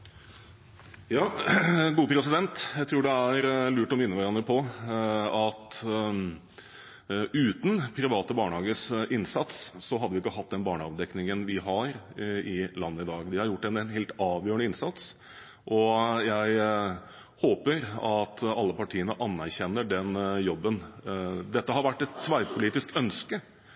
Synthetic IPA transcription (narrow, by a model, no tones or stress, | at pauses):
jɑːɡuːəpʰɾɛsɪd̪ɛnt̪jæɪt̪ʰɾuːɖɛæɾlʉːʈɔmɪnːəʋæɾɑnːəpʰɔ | ɑt̪ | ʉːt̪n̩pʰɾɪʋɑːt̪əbɑːɳəhɑːɡəsɪnsɑt̪sːɔɦɑd̪əʋɪɪkːəɦɑt̪̚ːd̪ɛnbɑːɳəɑ̰ʋd̪ɛknɪŋənʋɪɦɑɾɪlɑnːəɪd̪ɑːɡd̪ɪhɑɾjʊʈːɛnnɦeːlt̪ɑːʋjøːəɳəɪnsɑt̪s | ʔɔjæɪ | hoːpəɾɑt̪ɑlːəpɑʈʰiːənəʔɑnːæɾçɛnːəɖɛnjɔbːənd̪ɛt̪ːəɦɑɾʋæʈːɛt̪ʰːʋæɪpʰʊliːt̪ɪskœnskə